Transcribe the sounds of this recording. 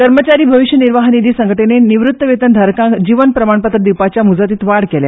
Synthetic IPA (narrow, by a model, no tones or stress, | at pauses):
kəɾmət͡ɕaɾiːbʱəʋiɕjəniɾʋaɦnid̪iːsə̃ŋɡəʈeneniʋɾut̪ːəʋet̪ənd̪ʱaɾkãd͡ʑiʋənpɾəmaɳpat̪ɾəd̪iwpat͡ɕjamud͡zat̪iːt̪ʋaɽkelja̰